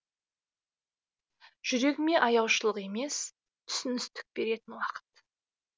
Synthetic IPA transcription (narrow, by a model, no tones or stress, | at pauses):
ʒ̥ʏɾe̞kme̞ʔɑjɑwʃəlˠəqe̞me̞s | t̪ʰʏ̥sɪnɪst̪ɪ̥k̚be̞ɾe̞t̪ɪnwɑqə̥t̪